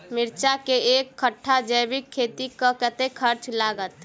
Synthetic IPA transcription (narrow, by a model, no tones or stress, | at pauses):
mɪɾt͡ʃakeeːkʰːəʈʰːad͡ʒəjbɪkʰːeːt̪ikakət̪ekʰəɾt͡ʃlaːɡət̪